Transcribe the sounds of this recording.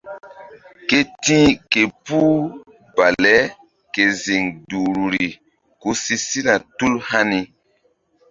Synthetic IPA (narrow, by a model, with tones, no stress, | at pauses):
ke˦tĩ˦ke˨pu˦ | ba˨lɛ˦ | ke˨zi˨ŋdu˨ɾu˨ɾi˨ | ku˦si˦si˦la˨tu˦lha˦ni˦